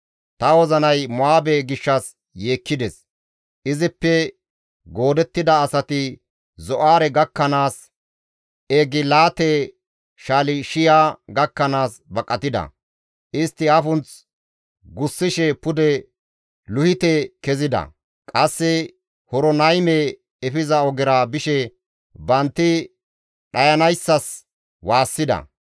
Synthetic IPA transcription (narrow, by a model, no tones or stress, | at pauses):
t̪ɐwɔzɐnɐjmɔaːbeɡɪʃːɐs | je̞ːkːɪd̪ɛs | ʔɪzɪpːɛ | ɡo̞ːd̪ɛt̪ːɪd̪ɐːsɐt̪ɪ | zɔʔaːɾɛɡɐkːɐnaːs | eɡɪlaːt̪ɛ | ʃaːlɪʃɪjaːɡɐkːɐnaːs | bɐkʼːɐt̪ɪd̪ɐ̰ | ʔɪst̪ːɪɐfʊnt͡s | ɡʊsːɪʃɛpʊd̪ɛ | lʊhɪt̪ɛkɛzɪd̪ɐ̰ | kʼɐsːɛ | hɔɾɔnɐjmɛ | ɛfɪzɐɔɡɪɾabɪʃɛ | bɐnt̪ːɪ | ɗɐjɐnɐjsːɐs | waːsːɪd̪ɐ̰